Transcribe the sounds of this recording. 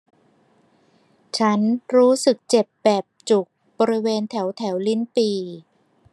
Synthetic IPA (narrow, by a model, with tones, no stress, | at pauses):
t͡ɕʰa˦˥nɾuː˦˥sɯ˨˩k̚t͡ɕe˨˩p̚bɛː˨˩p̚t͡ɕu˨˩k̚ | bɔː˧ɾi˦˥weː˧nt̪ʰɛ˩˦wt̪ʰɛ˩˦wli˦˥npiː˧